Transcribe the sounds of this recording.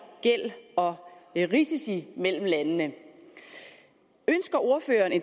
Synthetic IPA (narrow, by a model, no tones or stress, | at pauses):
ɡ̥el̰ɒ̽ʁisisimel̰m̩lænənə | ønsɡ̥ɐʔo̝ɐføːɐne̝n